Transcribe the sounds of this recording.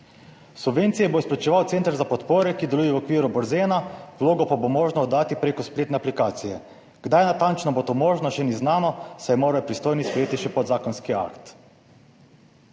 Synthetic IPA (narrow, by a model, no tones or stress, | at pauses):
subʋeːnt̪sijɛboispɾɛt͡ʃɛʋawt̪seːnt̪aɾzapɔt̪poːɾɛkid̪ɛlujɛwɔkʋiːɾubɔɾzeːnawloːɡɔpabomoːʒnɔːd̪ːaːt̪ipɾeːkɔspleːt̪nɛaplikaːt̪sijɛ | ɡ̥d̪ajnat̪ant͡ʃnɔbot̪omoːʒnɔʃɛniznaːnɔsajɛmoːɾapɾist̪oːjnispɾɛjeːt̪iʃɛpɔd̪zaːkɔnskia̰kt̪